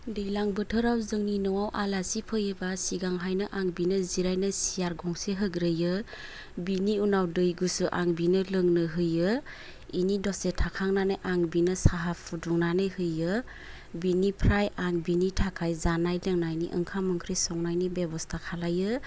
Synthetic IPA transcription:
dɯjlaŋbɯtʰɯɾawzɯŋninɯwawʔalasipʰɯjɯbasiɡaŋɦajnɯʔaŋbinɯziɾajnɯsijaɾɡɔŋseɦɯɡɾɯjɯ | biniunawdɯjɡusɯʔa̰ŋbinɯlɯŋnɯɦɯjɯ | inidɔsetʰakʰaŋnanɯjʔaŋbinɯsaɦapʰuduŋnanɯjhɯjɯ | binipʰɾajaŋbinitʰakʰajzanajlɯŋnajnḭʔɯ̰ŋkʰamɯŋkʰɾisɔŋnajnibebɔstʰakʰalajɯ

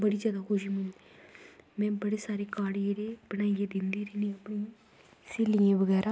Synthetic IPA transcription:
bəɽiːd͡ʒjaːd̪aːkʰʊʃ̬iːmʊnd̪i | mɛ̃ːbəɽeːsaːɾeːkaːɽieːɾeːpənaːieːd̪ɪnd̪iːɾeːnĩːəpnĩː | seːliẽːʋəɡɛːɾʔaː

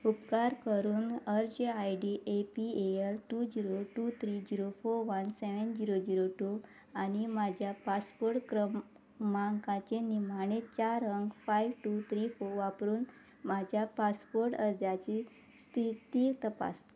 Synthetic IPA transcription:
upkaɾkəɾuːnəɾd͡ʑeajɖiʔepieeɾʈud͡ʑiɾoʈut̪ʰɾid͡ʑiɾofoɾʋənseʋənd͡ʑiɾod͡ʑiɾoʈu | animad͡ʑʱjapaspoɾʈkɾə | maŋkãt͡ɕenim̤aɳ̃et͡ɕaɾəŋɡfajʋʈut̪ʰɾifoɾʋapɾuːn | mad͡ʑʱjapaspoɾʈəɾd̪jat͡ɕi | st̪ʰit̪it̪əpa̰s

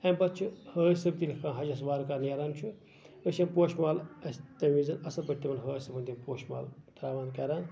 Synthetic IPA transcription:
empɐt̪̚t͡ʃʰuhəːjsɐb̚t̪ilʲkʰãːɦɐd͡ʒɐsʋaːɾukaːneɾant͡ʃʰu | əʃɐmpoːʃmaːlɐst̪ɐlʋizɐnɐsɐbɐʈːimɐnɦəːjsɐbɐnd̪impoːʃma̰ːlt̪ɾaːʋaːnkɐɾaːn

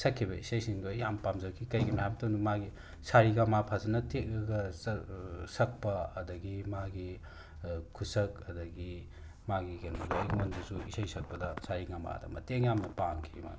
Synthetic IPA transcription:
sɐkʰːibɐḭsɐjsiŋɡojampamzɐkʰikɐjɡimajamtonumaɡi | saɾiɡamapʰazɐnɐtek̚ɾɐɡɐ | sɐk̚pɐɐdɐɡimaɡi | kʰusɐkɐdɐɡi | maɡiɡenolɐik̚mondɐsuisɐjsɐk̚pɐdɐsaɾiɡama̰dɐ̰mɐ̰teŋjamnɐpamkʰima̰

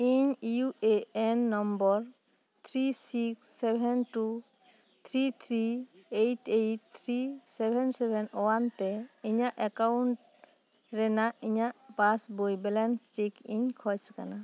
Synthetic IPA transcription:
iɲijueɛnːɔmbɔɾ | t̪ʰɾisiksːɛbʱɛnʈu | t̪ʰɾit̪ʰɾiejʈejʈ̚t̪ʰɾisɛbʱɛnsɛbʱɛnɔwant̪ɛiɲaʔɛkawɳʈ | ɾɛnaʔiɲaʔpasbojbɛlɛnt͡ʃekiɲkʰɔjska̰na

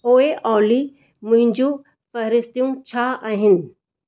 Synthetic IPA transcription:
oːeʔɔːli | mʊ̃ɦɪ̃ɲd͡ʑũ | fɐɦɾɪst̪ijũt͡ɕʰaaːɦɪnɪ̆

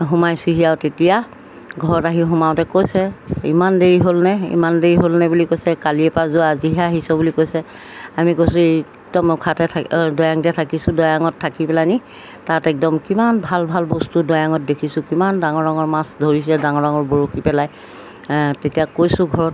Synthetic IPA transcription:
ɦumajsiɦijaʊtetija | ɡʱɔɹɔtaɦiɦumaʊtɛkojsɛḭmandeɹiɦolnɛḭmandeɹiɦolnɛbulikojsɛkaliɛpazʊaziɦɛaɦisɔbulikojsɛ | amikojsʊ̃e | kdɔmʊkʰatɛtʰdɔjaŋdiatʰakisʊ̃dɔjaŋɔtʰːakipɛlani | tatɛk̚dɔmkimanbʱalbʱalbɔstudɔjaŋɔt̚dekʰisʊ̃kimandaŋɔɹaŋɔɹmasdʱoɹisɛdaŋɔɹaŋɔɹboɹokʰipɛlaj | tetijakojsʊ̃ɡʱɔɹɔt̚

